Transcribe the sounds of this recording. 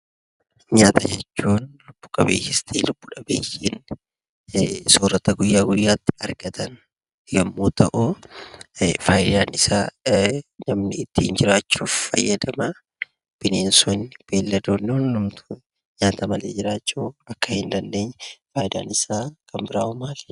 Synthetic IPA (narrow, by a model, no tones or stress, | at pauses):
ɲaːt̪ɐd͡ʒɛt͡ʃːuːnlʊb̥ːʊ̥kʼɐbḛːkɪst̪ʰiːlʊb̥ːʊᶑɐbḛːjin | soːrɐt̪ɐɡʊjːaːɡʊjːaːt̪ːɪ̥ɐɾɡɐt̪ʰɐn | ɡɐmːoːt̪ɐʔʊ | faːjd̪aːnɪsaː | nɐmnɪɪt̪ːiːnd͡ʒɪɾaːt͡ʃːuːfːɐ̰jːɐd̪ɐmɐ | b̥ɪneːnsʊnb̥eːlːɐd̪oːnːʊnlʊmt̪ʊ | ɲaːt̪ɐmɐleːd͡ʒɪɾaːt͡ʃːuːɐkːɐhɪnd̪ɐnd̪e̞ːɲːfaːjd̪a̰ːnɪsaːkʰɐmbɪɾaːʔʊmaːl